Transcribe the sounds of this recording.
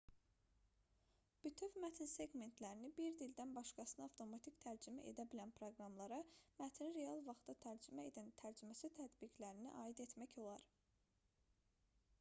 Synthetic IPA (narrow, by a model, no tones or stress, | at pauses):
b̥yt̪ʰøvmæt̪ʰinse̞ɡme̞nt̪ʰlæɾinibiɾd̪ild̪ænbɑʃkɑsɯnɑft̪ʰo̞mɑt̪ʰict̪ʰæɾd͡ʒimæ̰ʔḛd̪æbilænpʰɾoɡɾɑmlˠɑɾɑmæt̪ʰinɾe̞ɑlˠvɑχt̪ɑt̪ʰæɾd͡ʒimæed̪ænt̪ʰæɾd͡ʒymæsit̪ʰæd̪biɡlæɾinḭʔɑːid̪e̞t̪mæço̞lˠɑɾ